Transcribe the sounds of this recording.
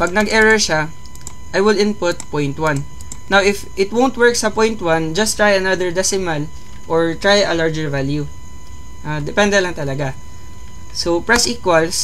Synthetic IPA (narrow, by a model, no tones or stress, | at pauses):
pɐɡ̚nɐɡɛɹɛɹʃa | ʔajwɪlɪ̃npʊt̪̚pɔjnt̪̚wãnː | awɪfʔɪt̪wownt̪wɛɹk̚sɐpɔjnt̪wãnd͡ʒɐst̪ɹajɐnad̪əɹd̪ɛsɪmɐl | ʔɔɹt̪ɹajɐlaɹd͡ʒɛɹvalju | ʔad̪ɛpɛ̃nd̪ɛlɐŋt̪ɐlɐɡa | sopɹɛsʔiːkwɐls